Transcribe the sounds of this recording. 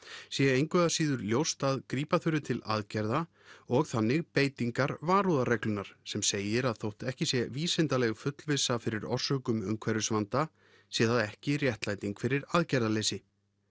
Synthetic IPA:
sjɛejŋkvœðasiːðʏɾljowst̪aðkɾiːpaθʏɾʏt̪ʰɪla̰ðcɛɾða | ɔɣθanːɪɣpeːjt̪iŋkaɾvaːɾuðaɾɛklʏnːaɾ̥sɛmseːjɪɾaðθowht̪ɛhcɪsjɛviːsɪnt̪alɛɣfʏt̪lvɪsafɪɾɪɾɔ̰r̥sœːkʏmʏ̰mkʰvɛɾʏsvant̪a | sjɛðaðɛhcɪrjɛht̪laːjt̪iŋkfɪɾɪɾaðcɛɾðaleːjsɪ

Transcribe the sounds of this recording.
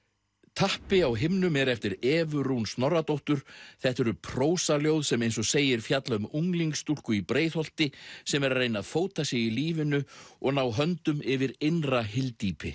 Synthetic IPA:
t̪ʰahpɪawɦɪmnʏmɛɾɛft̪ɪɾɛːvʏɾunst̪nɔrːat̪owht̪ʏɾ̥θɛht̪ɛɾʏpʰɾoːwsaljowðsɛmejnsɔseːjɪɾ̥fjat̪laʏmuŋliŋkst̪ur̥kʏipɾeːjðhɔl̥t̪ɪsɛmɛɾaɾrːejnaðfoːwt̪asjɛɣiliːvɪnʏɔɣnaːwɦœnt̪ʏmɪvɪɾejnraɦɪlt̪iːpɪ

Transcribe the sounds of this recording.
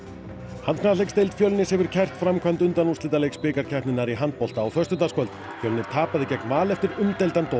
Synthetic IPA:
hant̪̚kʰnalejkst̪ejlt̪fjœlnɪshɛvʏɾ̥cʰɛr̥t̪fɾamkʰamnt̪ʏnt̪anuslɪːt̪alejkspɪːkaɾ̥cʰɛht̪nɪnaɾiɦant̪̚pɔl̥t̪aːwθœst̪ʏt̪askʰvœlt̪ | fjœlnɪɾ̥t̪ʰaːpaðɪcɛknmaːlɛft̪ɪɾʏmt̪ejlt̪ant̪o

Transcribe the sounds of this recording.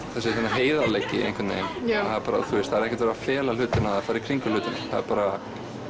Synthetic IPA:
θɛsɪθɛnaɦeːjðaleːjcːɪ̰ḭḛjŋkvɪt̪nḛːjmaðɛɾpaːɾa̰θuɪst̪θaðɛɾɛhcɛt̪vaːɾafɛːlal̥ʏːt̪ɪnaðafaːɾɪ̥kʰɾiŋkʏlʏːt̪ɪnθa̰ðɛɾpaːɾa

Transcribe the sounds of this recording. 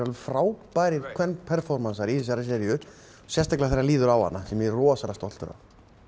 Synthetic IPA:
alfɾaːwpajɾɪɾkʰvɛnpʰɛɾ̥fɔɾmansaɾiθɛs̬aɾas̬ɛɾjʏ | sjɛst̪aklɪaθɛɾːaliːðʏɾawha̰nːasɛmɛrɔːsaɾast̪ɔl̥t̪ʏɾa̰v

